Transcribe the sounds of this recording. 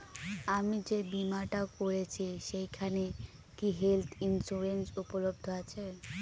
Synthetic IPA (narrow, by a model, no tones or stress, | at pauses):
amid͡ʑebimaɾʈakoɾet͡ɕʰiʃejkʰane | kiɦelt̪ʰinsuɾensupolob̚d̪ʱoat͡ɕʰe